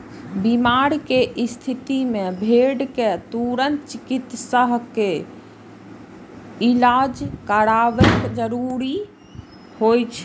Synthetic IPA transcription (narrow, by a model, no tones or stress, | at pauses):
bimaɾkeʔist̪ʰit̪imebʱeɖket̪uɾənt͡ʃikit̪səɦke | ilad͡ʒkəɾaʋekd͡ʒəɾuɾi | hojt͡ʃʰ